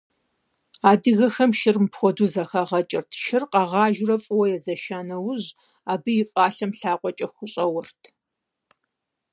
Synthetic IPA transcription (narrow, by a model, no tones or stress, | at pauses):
aːdɨɣɐxɐmʃɪrmpxʷɔduːzɐxɐʁɐt͡ʃʼɪrtʰʃɪrqɐʁɑːʒrɐfʼɨwɐjɛzɐʃaːnɐwʊʑ | aːbɨjɪfʼaːɬɐmɬaːqʷɔt͡ʃʼɐxʷʊɕʼɐwɐrtʰ